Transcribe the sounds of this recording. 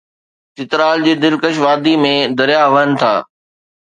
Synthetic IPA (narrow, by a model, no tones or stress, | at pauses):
t͡ɕɪt̪ɾaːld͡ʑiːd̪ɪlkəʃ̬ʋaːd̪imẽd̪ɐɾijaʋənɪ̆t̪ʰa̰ː